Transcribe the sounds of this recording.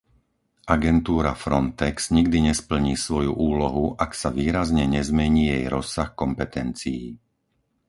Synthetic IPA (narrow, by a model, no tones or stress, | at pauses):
ʔaɡɛnt̪uːɾafɾɔnt̪ɛkz̥ɲiɡd̪iɲɛspl̩ɲiːsʋɔjuʔuːlɔɦuʔaksaʋiːɾazɲɛɲɛzmɛɲiːjɛjɾɔsaxkɔmpɛt̪ɛnt͡siji